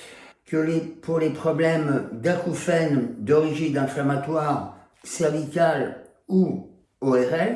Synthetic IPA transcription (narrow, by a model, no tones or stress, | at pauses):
kəlepuʁlepχɔblɛmd̪akufɛnd̪ɔʁiʒid̪ɛ̃flamat̪waʁ | sɛʁvikʲal | u | ɔɛʁɛl